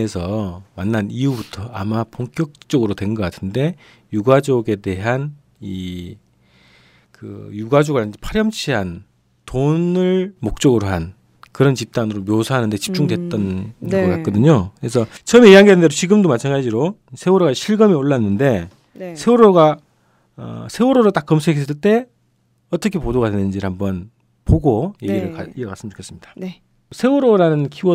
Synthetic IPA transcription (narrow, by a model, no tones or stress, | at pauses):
esʰʌmanːaniubutʰʌa̰mapʰoŋk͈jʌk̚t͡ɕ͈oɡɯɾotwe̞nɡʌk͈atʰɯnde̞ | juɡad͡ʑoɡe̞de̞ɦan | i | kɯ̰juɡad͡ʑoɡɯɭd͡ʑepʰaɾjʌmt͡ɕʰiɦan | tonɯɭmok̚t͡ɕ͈ʌɡɯɾoɦan | kɯɾʌnt͡ɕip̚t͈anɯɾomjosʰaɦanɯnde̞t͡ɕi̥p̚t͡ɕ͈uŋdwe̞t̚t͈ʌnɡʌk͈ak͈ʌdɯɲokɯɾe̞sʰʌt͡ɕʰʌmeijaŋɡednde̞dot͡ɕiɡɯmdomat͡ɕʰanɡad͡ʑiɾosʰe̞uɾoɣaɕʰiɭɡʌmioɭːanːɯnde̞ | sʰe̞uɾoɡa | ʌ̰sʰe̞uɾoɾot͈ak͈ːʌmsʰekʰesʰes͈ɯɭt͈e̞ | ʌt͈ʌkʰe̞podoɣadwe̞nɯnd͡ʑiɾɯhambʌn | poɡojeɡɡiɾɯɭka̰iʌkasɯmət͡ɕokʰs͈ɯmɲid̥ḁ | sʰe̞uɾoɾanɯnkʰiɡʌ